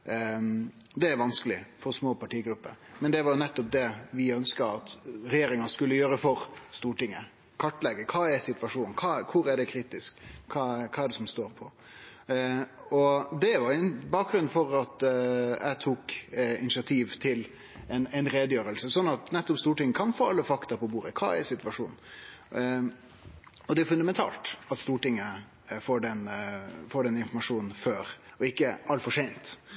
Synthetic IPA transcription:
d̪ɛæɾʋɑnskəlɪ̰fɔɾsmoːpʰɑʈiːɡɾʉpːə̰ɾmɛnd̪ɛʋɑɾjʊnɛt̪ːɔp̚d̪ɛʋɪœnskəɑt̪ɾɛjeːɾɪŋɑskʉlːəjøːɾəfɔɾst̪uːʈɪŋːə | kʰɑʈːleːɡəkʰɑːæsɪt̪ʋɑʂuːnnkʰɑːkʰʊɾæɖɛkʰɾiːt̪ɪskʰːɑːkʰɑːɛɖɛsɔmst̪oːɾpʰɔ | ɔd̪ɛʋɑɾjʊɛnbɑːk̚ɡɾʉnfɔɾɑt̪æ̰ɪt̪ʰuːkɪnɪt͡ʃɪɑt̪ʰiːʋt̪ʰɪl | ɛnæɪnɾeːd̪əjøːɾəlsəsɔnːɑt̪nɛt̪ːɔpst̪uːʈɪŋːəkʰɑnfoːɑlːəfɑkt̪ɑpɔbuːɾəkʰɑ̰ːɛ̰sɪt̪ʋɑʂuːnn̩ | ɔd̪ɛæfʉnd̪ɑmɛnt̪ʰɑ̰ːlt̪ɑt̪st̪uːʈɪŋːə | foːɖɛnfoːɖɛnːəɪnfɔɾmɑʂuːnn̩føːɾɔɪkːəʔɑlfɔʂɛɪnt̪

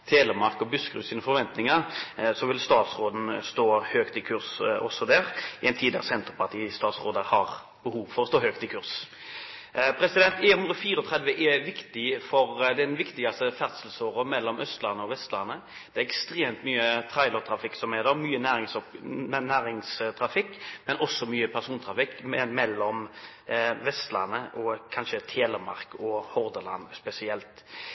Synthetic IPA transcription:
t̪ʰeːləmɑʁkɔbʉskɾʉ̰ːsiːnəfɔɾʋɛnt̪nɪŋəsɔʋɪlst̪ɑːt̪sɾoːd̪n̩st̪oːhøːkt̪ɪkʰʉɾsɔ̰sːɔd̪æʁɪɛɪnt̪ʰiːd̪ə̰ʁsɛnt̪əɾpʰɑʁt̪ʰiːst̪ɑːt̪sʁoːd̪əhɑʁ | b̥əhuːʋfɔɾɔst̪oːhøːkt̪ɪkʰʉʁɾs | pʰɾɛsɪd̪ɛnt̪ɛːhʉnʁɔfiːɾəɔt̪ʰʁɛd̪ʋəʔɛʋɪkt̪ɪfɔɾd̪ɛnʋɪkt̪ɪɡɑst̪əfæʁd̪səlsoːʁəmɛlːɔmœst̪lɑnːəɔʋɛst̪lɑnːə | d̪̥ɛɛɾɛkst̪ʁeːmt̪myːət̪ʰʁɑɪlɔʁt̪ʰʁɑfɪkːsɔmɛd̪ɔmyːənæːɪsnæːɾɪŋst̪ʰɾɑfɪkːmɛnʔɔsːɔmyːəpʰæʁsuːnt̪ʰɾɑfɪkːmɛmɛlːɔm | ʋɛst̪lɑ̰nːəʔɔkʰɑnʃət̪ʰeːləmɑʁkɔhɔʁd̪əlɑ̰nspɛsɪɛlt̪

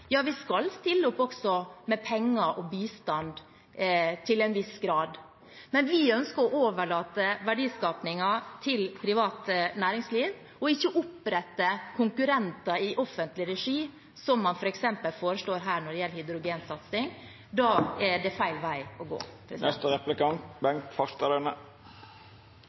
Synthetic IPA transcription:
jɑːʋɪskɑlst̪ɪlːʊpɔksɔmɛpʰɛŋːɑʔɔbiːst̪ɑnd̪ | t̪ʰɪlɛnʋɪsɡɾɑːd̪ | mɛnʋɪœnskəɾɔʔoːʋəɭɑːt̪əʋæɖiːskɑːpnɪŋɑt̪ʰɪlpʰɾɪʋɑːt̪næːɾɪŋsliːʋ | ɔɪçːəʔʊpːɾɛt̪ːəkʰʊŋkʉɾɛnt̪ɑɪʔɔfːənt̪lɪɾɛʂiː | sɔmːɑnfɔɾɛksɛmpəlfoːɾəʂloːɾɦæːɳɔɖɛjɛlːəhɪd̪ɾʊɡeːnsɑt̪sɪŋ | d̪ɑːɛɖɛfæɪlʋæɪɔɡo̰ːpʰɾɛnɛst̪əɾɛplɪkɑnt̪bɛŋkfɑst̪əd̪ɛnə

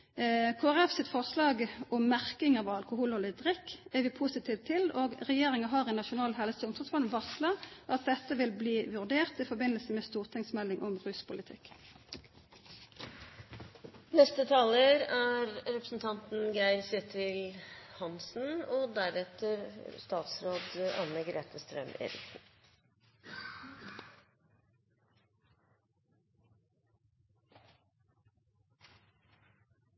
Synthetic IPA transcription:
kʰoːæʁɛfsɪt̪fɔʁslɑːɡɔmːæʁkɪŋəʋɑɑlkʊhuːlɔlɪd̪ʁɪkːæʋɪːpʰusɪt̪ʰiːʋt̪ʰːɪloːɡʁɛjeːʁɪŋəɦɑːʁɛnɑʃʊnɑːlɦɛləsəʊmt̪ʰʁɔd̪sbɑnʋɑslɑʔɑt̪̚d̪ɛt̪ːəʋɪlbliːʋʉʁd̪eːʁt̪ɪfɔʁbɪnːəlsəmɛst̪uːʁt̪ʰɪŋsmɛlːɪŋʔɔmʁʉspʊlɪt̪ʰɪk | nɛst̪ət̪ʰɑːləɾæːɾɾɛpɾəsn̩t̪ʰɑnt̪n̩ɡæɪɾsɛt̪ʰɪlhɑnsn̩oːd̪æɾɛt̪əɾst̪ɑːt̪sɾoːd̪ɑ̰nəɡɾḛːt̪ʰəst̪ɾœ̰mḛːɾɪ̰ksn̩

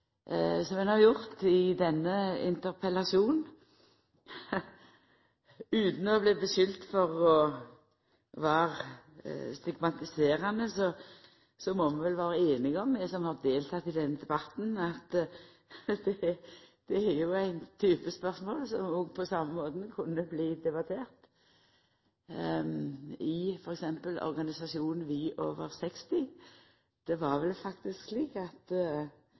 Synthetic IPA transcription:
sɔmɛnhɑjʊʁt̪ɪd̪ɛnːəɪ̰nt̪əɾpʰɛlɑʂuːn | ʉːt̪n̩ɔblɛbəʃʏlt̪fɔʁɔ | ʋɑːʁ | st̪ɪɡmɑt̪ɪseːɾɑnəsɔ | sɔmɔmɛnʋɛlʋɑːɾəeːnɪɡɔmːɛsɔmhɑʁd̪eːlt̪ʰɑt̪ːɪd̪ɛnːəd̪ɛbɑt̪n̩ɑt̪ | d̪ɛd̪̥ɛæjʊæɪnt̪ʰyːpəspœʁsmoːlsɔmjuɡpʰɔsɑmːəmoːd̪n̩kʰʊnːəbliːd̪ɛbɑt̪ʰeːʁt̪ | ɪfɔɾɛksɛmpəlɔ̰ɾɡɑnɪsɑʃuːnn̩ʋɪʔoːʋəɾsɛkst̪ɪ | d̪̥ɛʋɑɾʋɛlfɑkt̪ɪsksliːkɑt̪

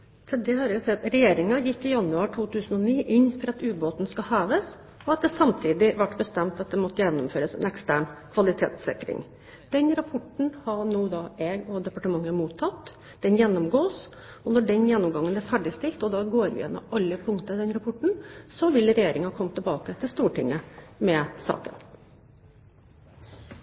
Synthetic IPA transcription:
sɛd̪ɛhɑɾjʊsɛt̪ɾɛjeːɾɪŋɑjɪkːɪjɑnːʉɑːʈʰuːt̪ʉːsənɔniːʔɪnːfɔɾɑt̪ʉːboːt̪n̩skɑhæːʋəs | ɔɑt̪̚d̪ɛsɑmt̪ʰiːd̪ɪʋæʈbəst̪ɛmt̪ɑt̪̚d̪ɛmɔt̪ːəjɛnːɔmføːɾəsɛ̰nɛkst̪æːɳkʰʋɑlɪt̪ʰḛːt̪sɪkɾɪ̰ŋ | d̪̥ɛnɾɑpʰɔʈɳ̩hɑɳuːd̪ɑʔɛɡɔd̪ɛpɑʈəmɑŋːəmuːt̪ʰːɑt̪ː | d̪̥ɛnjɛnːʊmɡoːs | ɔnɔɖɛnjɛnːɔmɡɑŋːənæɾfæɖɪst̪ɪlt̪ɔd̪ɑːɡoːɾʋɪ̰jɛ̰nːɔ̰mɑlːəpʰʊŋkt̪əɑd̪ɛnɾɑpʰɔʈɳ̩sɔʋɪlɾɛjeːɾɪŋɑhɑkʰɔmːt̪ʰːɛlbɑːkət̪ʰɪlst̪uːʈɪŋːəmɛsɑ̰ːkə̰n

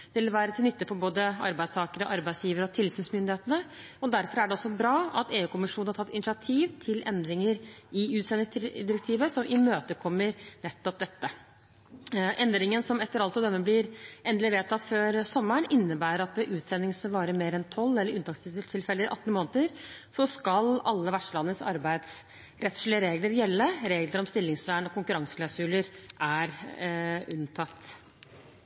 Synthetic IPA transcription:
d̪ɪlʋæːɾət̪ɪlnʏt̪ːəpɔboːd̪əɑ̰ɾbæɪst̪ʰɑːkəɾəʔɑɾbæɪsjiːʋəɾəɔt̪ʰɪlsyːnsmʏnd̪ɪheːt̪ənə | ɔd̪æɾfɔɾæɖɛɔsɔbɾɑːɑt̪eːʉːkʰʊmɪʂuːnhɑʈʰɑt̪ːɪnɪsɪɑt̪ʰiːʋt̪ʰɪlʔɛnd̪ɾɪŋəɾɪʉːt̪sɛnɪŋsd̪ɪɾɛk̚t̪ʰiːʋəsɔmʔɪmøːt̪əkʰɔmːəɾnɛt̪ːɔp̚d̪ɛt̪ːə | ʔɛnd̪ɾɪŋənsɔmɛt̪ːəɾɑlt̪ɔd̪ɛmːəblɪɾʔɛnd̪lɪʋeːt̪ʰːɑt̪føːɾsɔmːəɳɪnːəbæːɾəɾɑt̪̚ɛʔʉːt̪sɛnːɪŋsʋɑːɾəmeːɾɛnt̪ʰɔlːɛlːəɾʉnt̪ɑksʰɪt̪ʰɪlfɛlːəʔɑ̰t̪ːn̩moːnət̪əɾsɔskɑlɑlːəʋæʂʈəlɑnːəsɑ̰ɾbæɪd̪s | ɾɛt̪ʂlɪəɾeːɡləɾjɛlːəɾeːɡləɾɔmst̪ɪlːɪŋsʋæːɳɔkʊŋkʉɾɑŋsə̥kʰlɑʉsʉləɾʔæɾ | ʉnt̪ʰɑt̪ː

